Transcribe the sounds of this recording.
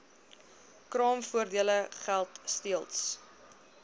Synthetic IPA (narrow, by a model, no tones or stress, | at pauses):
krɑːmfuərdiələχælˠtstiəlˠts